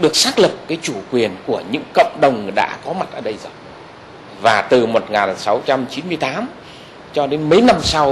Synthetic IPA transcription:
ɗɨ˨˩ək̚saː˦˥k̚lɨ˨˩p̚kːaː˨˦jt͡ɕu˧˩kwi˨˩ənku˧˩əɲɨ̰˧˥ŋkə̰˧˨wŋ͡mɗə˨˩wŋ͡mɗa̰ː˧˥kɔ˨˦ma˨˩t̚ʔəː˧˩ɗə˧jzo˨˩j | vaː˨˩t̪ɨ˨˩mo˨˩t̚ŋaː˨˩nsa˨˦wt͡ɕa˧mt͡ɕi˨˦nmɨ˧əjt̪aː˨˦m | t͡ɕɔ˧ɗe˨˦nmə˨˦jna˧msa˧w

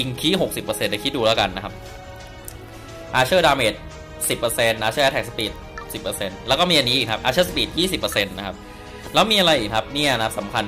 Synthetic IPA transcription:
i˧ŋkʰiː˦˥˩ɦo˨˩k̚si˨˩pːɤː˧se˧nda˧˩kʰi˦˥t̪̚duː˧laː˦˥˩ka˧nːa˦˥kʰa˦˥p̚ | ʔaː˧t͡ɕʰɤː˥˩daː˧meː˨˩t̪̚ | si˨˩pːɤ˧se˧ndaː˧t͡ɕʰɤː˥˩ʔt̪ʰɛː˨˩spiː˨˩t̪̚si˨˩pːɤː˧se˧nlɛ˦˥kɔː˥˩miː˧a˧nːiː˦˥ʔːkʰa˦˥p̚ʔa̰ː˧t͡ɕʰɤː˥˩spiː˨˩t̪̚jiː˥˩si˨˩pːɤː˧se˧nːa˦˥kʰa˦˥p̚ | lɛː˦˥wmiː˧ʔa˧ɾa˧jʔiː˨˩k̚ʰa˦˥p̚niː˥˩˨ʔa˧na˦˥p̚sa˩˦mkʰa˧n

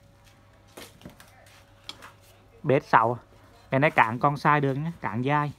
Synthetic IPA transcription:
ɓe˦˥t̚sa̰˧˩w | ŋaː˨˩na˧˥jkaː˧˩ŋkɔ˧nsaː˧jɗɨ˨˩ək̚ɲa˨˦kaː˧˩˦ŋzaː˧j

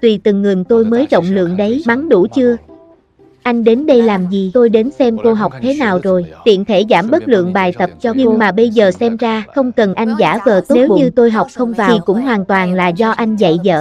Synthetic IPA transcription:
t̪wi˨˩t̪ɨ˨˩ŋːɨ˨˩ŋt̪o˧jməː˨˦jɗə̰˧˨wŋ͡mlɨ̰˧˨əŋɗə˨˦jma˨˦ŋɗu˧˩t͡ɕɨ˧ə | ʔa˧jŋ̟ɗe˨˦nɗə˧jlaː˨˩mzi˨˩t̪o˧jɗe˨˦nsɛ˧mko˧ɦa˨˩wk͡p̚t̪ʰe˨˦naː˨˩wzo˨˩jt̪ḭ˧˨ənt̪ʰe˧˩zaː˧˩mɓə˦˥t̚lɨ̰˧˨əŋɓaː˨˩jt̪ə˨˩p̚t͡ɕɔ˧ɲɨ˧oŋ˧ŋmaː˨˩ɓə˧jzəː˨˩sɛ˧mzaː˧xə˧wŋ͡mkə˨˩nʔa˧jŋ̟zaː˧˩vəː˨˩t̪o˦ne˥˨˦wɓṵ˧ɲɨ˧t̪o˧jɦa˨˩wk͡p̚xə˧wŋ͡mvaː˨i˨˩kʊ̰˧˥ŋ͡mɦwaː˨˩nt̪waː˨˩nla̰ː˧˨zɔ˧ʔa˧jŋ̟zə̰˧˨jzə̰ː˧˨

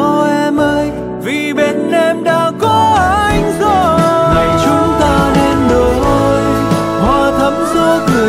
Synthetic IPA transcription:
ɔ˧ʔɛ˧mʔəː˧j | vi˨˩ɓe˧˩nʔɛ˧mɗaː˧˥kɔ˨˦ʔʔa˧jŋ̟zo˨˩ŋa˨˩jt͡ɕʊ˨˦ŋ͡mt̪aː˧nɛ˧nɗo˨˩jʔo˧j | ɓɔ˧˩t̪ʰə˨˦mzɔ˨˧˦kɨ˨˩ə

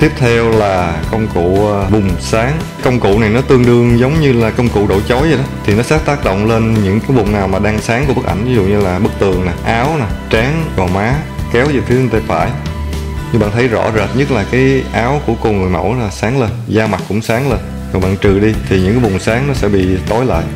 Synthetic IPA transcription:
t̪i˦˥p̚t̪ʰɛ˧wlaː˨˩kə˧wŋ͡mkṵ˧˨vʊ˨˩ŋ͡msaː˨˦ŋ | kə˧wŋ͡mkṵ˧˨na˨˩jnɔ˨˦t̪ɨ˧əŋɗɨ˧əŋzə˨˦wŋ͡mɲɨ˧laː˨˩kə˧wŋ͡mkṵ˧˨ɗo̰˧˩jt͡ɕo˨˦jzə˨˩ɗɔ˨˦t̪ʰi˨˩nɔ˨˦saː˦˥t̚t̪aː˦˥k̚ɗo̰˧˨wŋ͡mle˧nɲɨ̰˧˥ŋkaː˨˦jvʊ˨˩ŋ͡mnaː˨˩wmaː˨˩ɗaː˧ŋsaː˨˦ŋkə˦ɓk̚ʔa̰˧˩jŋ̟vi˨˦zṵ˧˨ɲɨ˧laː˨˩ɓɨ˦˥k̚t̪ɨ˨˩əŋna˨˩ʔaː˨˦wna˨˩t͡ɕaː˨˦ŋkɔː˨˩maː˨˦kɛ˨˦wzi˨˩t̪ʰɨ˨˦ə˨˧˩t̪aː˧fa̰ː˧˩j | ɲɨ˧ŋɓa̰ː˧˨nt̪ʰə˨˦jzɔ̰˧˥zə˨˩t̚ɲə˦˥t̚laː˨˩kaː˨˦jʔaː˨˦wku˧˩əko˧ŋɨ˨˩əjmə̰˧˩wlaː˨˩saː˨˦ŋle˧nzaː˧ma˨˩t̚kʊ̰˧˥ŋ͡msaː˨˦ŋle˧n | ɔ˨˩ɓa̰ː˧˨nt͡ɕɨ˨˩ɗi˧t̪ʰi˨˩ɲɨ̰˧˥ŋkaː˨˦jvʊ˨˩ŋ͡msaː˨˦ŋnɔ˨˦sɛ̰˧˥ɓḭ˧˨t̪o˨˦jla̰ː˧˨jʔ

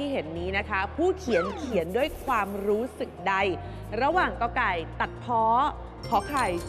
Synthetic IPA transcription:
iː˥˩ɦe˩˦nːiː˦˥na˦˥kʰa˦˥pʰuː˥˩kʰi˩˦ə˦nkʰi˨˩˦əndu˥˩əjkʰwaː˧mɾuː˦˥sɯ˨˩k̚da˧j | ɾa˧waː˨˩ŋka˧wkaː˧˩jt̪a˨˩t̪̚pʰɔː˦˥ | kʰɔː˩˦kʰaː˨˧˩j

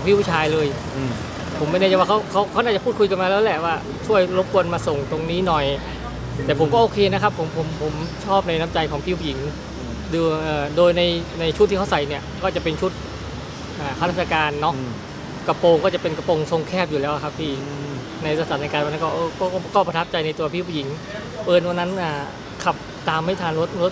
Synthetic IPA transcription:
ɔ˩˦ŋpʰi˥˩wu˥˩t͡ɕʰaː˧jlɤː˧j | pʰo˩˦mːa˥˩naː˥˩t͡ɕa˨˩jwaː˥˩a˦˥wkʰa˦˥wkʰa˦˥wna˥˩t͡ɕa˨˩pʰuː˥˩kʰu˧jka˧nmaː˧lːɛː˦˥lɛ˨˩waː˥˩ | t͡ɕʰu˥˩əjɾo˦˥p̚kʰu˧ənmaː˧so˨˩ŋt̪o˧ŋniː˦˥˩nɔ˨˩j | t̪ɛː˨˩pʰo˩˦mkɔː˥˩ʔoː˧kʰeː˧na˦˥kʰpʰːo˩˦mpʰo˩˦mpʰo˩˦mt͡ɕʰɔː˥˩p̚na˧jna˦˥mt͡ɕa˧jkʰɔː˩˦pʰi˥˩wu˥˩ji˨˩˦ŋ | duː˧ʔɤː˨˩doː˧jna˧jna˧jt͡ɕʰu˦˥t̪ʰːiː˥˩kʰwsa˨˩jni˥˩ɐkɔː˥˩t͡ɕa˨˩pe˧nt͡ɕʰu˦˥t̪̚ | ʔaː˨˩kʰa˥˩ɾa˦˥˩a˧kaː˧nːɔ˦˥ | ka˧poː˧ŋkɔː˥˩t͡ɕa˨˩pe˧nka˧po˧ŋso˧ŋkʰɛː˥˩p̚juː˨˩lɛː˦˥wʔa˨˩kʰa˦˥pʰiː˥˩ | na˧jɾa˧˥saː˨˩˦na˧kaː˧nwa˧na˦˥˩kɔː˥˩ʔɤː˧kɔː˥˩˥kɔː˥˩pɾa˧t̪ʰa˦˥p̚t͡ɕa˧jna˧jt̪u˧ɐpʰiː˥˩pʰu˧˩ji˩˦ŋ | pɤː˧˩n̚wa˧nːa˦˥nʔaː˧˩ | kʰa˨˩p̚ | t̪aː˧mːa˥˩jt̪ʰaː˧nɾo˦˥t̪̚ɾo˦˥t̪̚

